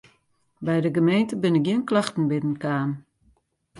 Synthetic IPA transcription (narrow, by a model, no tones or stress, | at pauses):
bɛjdəɡəmejntəbɪnɪk̚ɡjiənklaxtn̩bɪnən̩kaːn